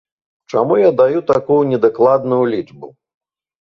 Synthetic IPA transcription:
t͡ʂamujad̪ajut̪akujunʲɛd̪aklˠad̪nujulʲid͡ʐbṵ

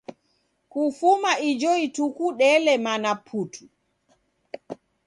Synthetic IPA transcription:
kufumaid͡ʒɔitukuɗɛlɛmanapʰutʰu̥

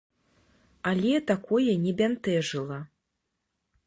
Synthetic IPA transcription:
alʲɛt̪akɔjɛnʲɛbʲant̪ɛʐɨlˠɐ

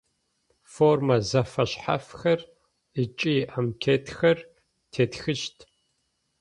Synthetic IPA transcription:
formɐzɐfɐɕħa̰fxɐr | ət͡ʃʼiʔamkʰeːtʰxɐr | tʰeːtxɨʃtʰ

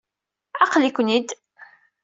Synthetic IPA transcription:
ɑqlikʷnid̪

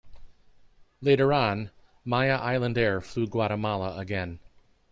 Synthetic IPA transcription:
leɪɾə˞ə̃n | maɪɨʔaɪlˠə̃ndɛɹflʉɡwɑɾəmɑlˠəəɡɛ̃n

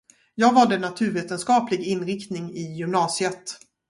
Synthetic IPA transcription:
jɑːɡvɑɖənat̪ʰʉ̟ːɾveːt̪ənskɑːplɪɡɪnːɾɪkt̪nɪŋɪjʏmnɑːsɪət̪

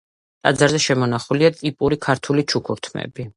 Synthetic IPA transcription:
t̪ʼa̰d̪zaɾzɛʃɛmɔnaχuliat̪ʼipʼuɾikʰaɾt̪ʰulit͡ʃʰukʰuɾt̪ʰmɛ̰bi

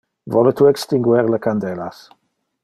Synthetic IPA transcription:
vɔlətʰuːɛkstɪŋɡwɛrləkʰandɛla̰s

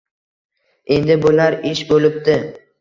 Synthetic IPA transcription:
e̞nd̪ɪbʊlaɾɪʃbolɪp̚t̪ɪ

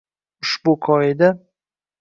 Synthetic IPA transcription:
ʊʃbʊkʰɒɪd̪a

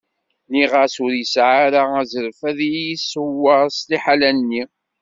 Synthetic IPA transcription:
niʁasʊɾjəsʕaɾaæzəɾfæðjisəwːəɾˤsliħalænnːi

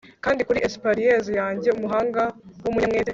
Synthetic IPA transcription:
kaːndikuɾiʔespaɾijezijaːɲɟe̞umuɦaːŋɡawumuɲamŋeːte

